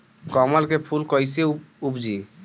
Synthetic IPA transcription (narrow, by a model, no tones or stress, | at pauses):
kɔmalkepʰulkɔjseupd͡ʒi